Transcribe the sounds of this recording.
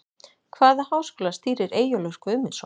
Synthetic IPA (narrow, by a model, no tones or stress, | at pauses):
kʰvaːðahaːwskɔːlast̪iːɾɪɾeːjʏlœwskʏʏmːɪnsɔ